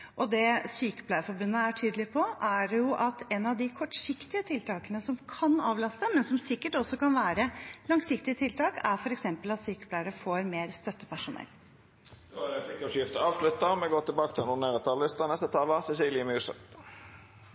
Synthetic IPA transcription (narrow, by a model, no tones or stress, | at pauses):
ʔɔd̪ɛsyːkə̥pʰlæɪəfɔɾbʉnːəæʈʰyːd̪əlɪpʰɔʔæɖjʊʔɑt̪ɛnɑʋd̪ɪkʰɔʈʂɪkt̪ɪət̪ʰɪlt̪ɑːkənəsɔmkʰɑnɑːʋlɑst̪əmɛnsɔmsɪkːəʈɔsɔkɑnʋæːɾəlɑŋsɪkt̪ɪət̪ʰɪlt̪ɑːkæɾfɔɾɛksɛmpəlɑt̪syːkə̥pʰlæɪəɾəfoːɾmeːɾst̪œt̪ːəpʰæʂʊnɛ̰lː | d̪oɾt̪ɪkːɔʂʏft̪əɑːʋslʉt̪ːəmɛɡoːt̪ʰɪlbɑːkət̪ʰɪlnʊneːʁət̪ʰɑllɪst̪ənɛst̪ət̪ʰɑːlɑsɛʃɪlɪmʉːsə̰t̪